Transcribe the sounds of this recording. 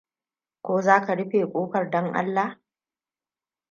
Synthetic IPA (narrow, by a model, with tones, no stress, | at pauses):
kʷoː˦zaː˦ka˨ɽɪ˦ɸeː˨kʷʼoː˦kɐ˨rdɔ˦ŋʔa̰˦lːa˨